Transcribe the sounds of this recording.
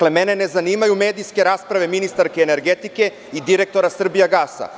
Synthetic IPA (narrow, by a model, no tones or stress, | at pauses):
le̞mene̞ne̞zaniːmajume̞ːd̪ijske̞ɾaːspɾaʋe̞minist̪aɾkeːne̞ɾɡe̞t̪ike̞ | id̪iɾe̞k̚t̪oɾasr̩bijaɡaːsa̰